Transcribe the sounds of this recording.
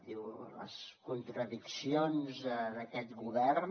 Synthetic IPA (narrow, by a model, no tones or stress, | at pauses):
d̪iwlə̰skunt̪ɾəðiksionzəðəkɛt̪ɣuβɛɾ